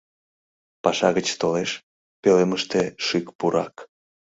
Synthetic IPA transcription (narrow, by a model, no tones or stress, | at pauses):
pɑʃɑɣət͡ɕt̪oleʃ | peleməʃt̪eʃykpuɾɑ̰k